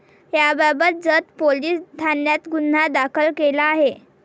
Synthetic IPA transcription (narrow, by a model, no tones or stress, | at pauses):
jababət̪̚d͡zət̪poliːsd̪ʱanjat̪ɡun̤ːad̪akʰəlkelaːɦe